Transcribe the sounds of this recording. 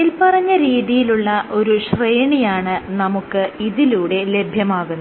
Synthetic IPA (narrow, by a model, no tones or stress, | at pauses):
ilpɐrɐɲːɐɾiːðijiluɭːɐʔo̞ɾuɕrejɳijaːɳɨnɐmukːɨiðiluːɽe̞le̞bʱjɐmaːɣunː